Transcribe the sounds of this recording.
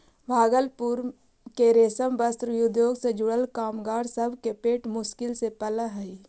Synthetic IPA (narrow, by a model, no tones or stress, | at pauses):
bʱaːɡəlpʊɾ | keɾeːsəmbəst̪ɾijʊd̪joːɡsed͡ʒʊɽəlkaːmɡaːɾsɐbʱkepeːʈmʊʃkɪlsepɐləɦɛi